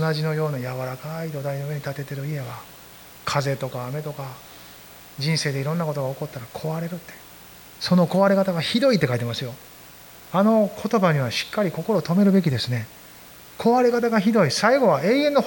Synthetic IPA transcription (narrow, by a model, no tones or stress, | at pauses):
naʑino̞jo̞ːnojaβaɾakaid̪o̞d̪aino̞ɯe̞ɲ̟it̪at̪e̞t̪e̞ɾɯ̟ie̞βa | kʰaze̞t̪o̞kaːme̞t̪o̞ka | d͡ʑĩɰ̃se̞ːd̪eiɾõ̞nːako̞t̪o̞ɡaoko̞t̪ːaɾakʰo̞βaɾe̞ɾɯ̟t̪ːe̞̥ | so̞no̞ko̞βaɾe̞kat̪aɡaçid̪o̞it̪ːe̞kait̪e̞masɨjo̞ | ano̞kʰo̞t̪o̞baɲ̟iβaɕi̥kːaɾʲiko̞ko̞ɾo̞t̪o̞me̞ɾɯ̟be̞kʲid̪e̞sɨne̞ | kʰo̞βaɾe̞kat̪aɡaçid̪o̞isaiɡo̞βae̞ːẽ̞nːo̞